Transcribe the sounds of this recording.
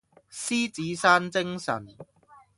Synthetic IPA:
siː˥t͡siː˨˥saː˥nt͡sɪ˥ŋsɐ̰˨˩n

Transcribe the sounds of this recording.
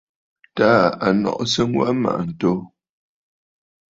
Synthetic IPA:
ta˦a˨nɔ̰˨ʔsə˦ŋwa̰˦ma̰˨ʔn̩˨to˨˦

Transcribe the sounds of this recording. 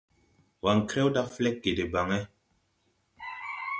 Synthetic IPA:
wa˨ŋkɾe˦wda˦flɛ˦k̚ɡe˨de˨ba˨ŋe˦

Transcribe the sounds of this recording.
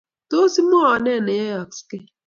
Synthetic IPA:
to˦si˦mo˦ɔ˨nɛ˦˨ne˨e˦a˨kske˦

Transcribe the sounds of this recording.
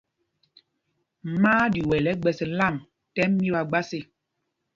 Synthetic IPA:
maː˦di˨wɛ˨lɛ˨˦ɡ͡bɛ˨sɛ˨la˦˨m | tɛ˦mː˦i˦ba˨ɡ͡ba˦se˦

